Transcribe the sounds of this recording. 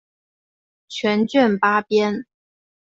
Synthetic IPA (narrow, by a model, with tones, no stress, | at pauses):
t͡ɕʰɥɛ˨˧˥nt͡ɕɥɛ˥˨˩npa˥pjɛ˥n